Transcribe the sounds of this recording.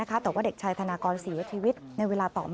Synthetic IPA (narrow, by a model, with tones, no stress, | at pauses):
a˦˥kʰa˦˥t̪ɛː˨˩waː˥˩de˨˩k̚t͡ɕʰaː˧jt̪ʰa˧naː˧kɔː˧nsi˨˩˦t͡ɕʰiː˧wi˦˥t̪̚na˧jweː˧laː˧t̪ɔ̰ː˨˩m